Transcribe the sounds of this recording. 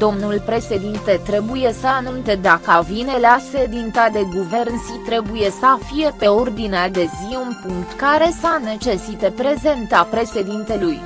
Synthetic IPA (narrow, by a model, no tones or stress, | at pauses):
d̪̥o̞mnulpɾe̞ʃe̞d̪int̪e̞t̪ɾe̞buje̞səanunt̪e̞d̪akəavine̞lased̪int̪ad̪e̞ɡuve̞ɾnsit̪ɾe̞buje̞səfije̞pe̞o̞rd̪inead̪e̞ziunpuŋkt̪kaɾe̞sane̞t͡ʃe̞sit̪e̞pɾe̞ze̞nt̪apɾe̞ʃe̞d̪int̪e̞luj